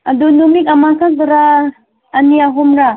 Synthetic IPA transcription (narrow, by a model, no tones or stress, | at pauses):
adunumikamakʰadɯɾaː | niaɦɔmɾa